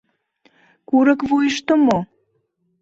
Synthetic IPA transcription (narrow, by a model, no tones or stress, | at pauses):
kuɾə̆kvujʃt̪omo